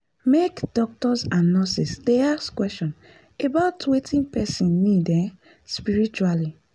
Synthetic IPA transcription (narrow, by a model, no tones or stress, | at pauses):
mekd̥ɔk̚tɔsãnnɔsisdeaskwɛsʃɔ̃n | ebaʊtwetʰĩnpɛsĩnːidɛ̃ | spiɹit͡ʃuali